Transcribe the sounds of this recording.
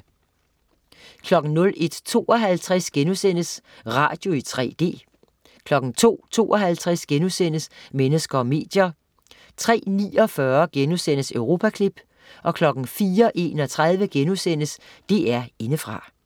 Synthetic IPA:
kʰlɒ̽ɡ̥n̩nɔ̽le̝d̥t͡sʰo̝ːɒɦælt͡sʰʁɛsɡ̥enusen̰əs | ʁɑ̰̈ːd̥jo̝it͡sʰʁɛ̰ːd̥e̝̰ː | kʰlɒ̽ɡ̥n̩t͡sʰo̝̰ːt͡sʰo̝̰ːʔɒ̽ɦælt͡sʰʁɛsɡ̥enusen̰əsmenəsɡ̥ɐɒ̽me̝̰ːd̥jɐ | t͡sʰʁɛ̰ːnḭːɒ̽fɶɐɡ̥enusen̰əsøʊʁo̝ːpʰækʰlib̥ | ʔɒ̽kʰlɒ̽ɡ̥n̩fiːɐʔe̝̰ːnɒ̽t͡sʰʁað̞ˠʋəɡ̥enusen̰əsd̥e̝̰ːæɐe̝nəfʁɑ̈

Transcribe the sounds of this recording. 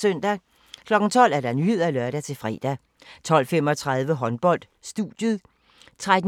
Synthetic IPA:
sœn̰d̥æ | kʰlɒ̽ɡ̥n̩t͡sʰɒ̽l̰æɐd̥ɑ̈nyhe̝ð̞̰ˠælɶɐɾæt͡sʰe̝fʁɛ̰ːd̥æ | t͡sʰɒ̽l̰fem̰ɒ̽t͡sʰʁäðˠʋəɦɒ̽nb̥ɒ̽l̰d̥sd̥ud̥jəðˠ | t͡sʰʁad̥

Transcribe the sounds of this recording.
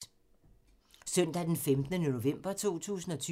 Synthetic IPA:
sœn̰d̥æd̥enfemd̥nənoo̝ʋem̰b̥ɐt͡sʰo̝̰ːt͡sʰṵːsn̩ɒ̽t͡sʰy

